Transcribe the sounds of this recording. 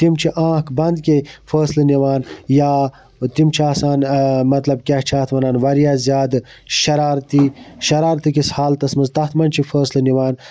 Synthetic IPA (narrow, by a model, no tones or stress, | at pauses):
t̪imt͡ʃʰiʔãːkbɐnd̪kefəːslɐniʋaːnjaː | t̪imt͡ʃʰaːsaːnmɐt̪lɐbkʲaht͡ʃʰaːt̪ʋɐnaːnʋɐɾijaːzʲjaːd̪ | ʃɐɾaːɾt̪iʃɐɾaːɾt̪ikishaːlt̪ɐsmɐzt̪ɐht̪mɐnʲt͡ʃʰifəːslɐniʋaːn